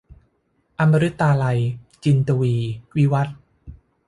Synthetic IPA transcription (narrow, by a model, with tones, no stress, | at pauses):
ʔa˧mːa˧ɾɯ˦˥t̪ːaː˧la˧jt͡ɕi˧nt̪u˧wiː˧wi˦˥wa˦˥t̪̚